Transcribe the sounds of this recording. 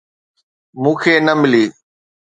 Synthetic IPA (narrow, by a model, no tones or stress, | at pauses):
mũːkʰeːnəmɪliː